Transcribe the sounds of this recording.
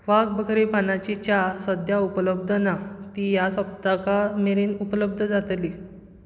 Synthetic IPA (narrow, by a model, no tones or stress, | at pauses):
ʋaɡ̚bəɡɾepanat͡ɕit͡ɕasəd̪ʱjaupələb̚d̪ʱənat̪iːjasəp̚t̪akameɾiːnupələb̚d̪ʱəd͡zat̪li